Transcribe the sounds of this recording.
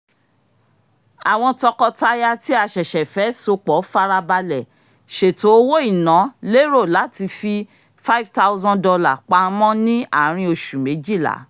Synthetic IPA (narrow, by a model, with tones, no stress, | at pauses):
a˨w̃ɔ̃˧tɔ˧kɔ˧ta˧ja˧ti˦a˨ʃɛ˨ʃɛ˨fɛ˨˦so˧k͡pɔ˨˦fa˧ɾa˧ba˧lɛ˨ | ʃe˨to˨˦wo˦i˦˨nã˨˦le˦ɾo˦˨la˨˦ti˧fi˧ | fa˦i˦vta˦wzɔ̃˦dɔ˧la˨k͡pa˧˦mɔ̃˦nĩ˦a̰˦˨˦ɾ̃ĩ˧o˧ʃu˨me˨˦d͡ʒi˦˨la̰˨˦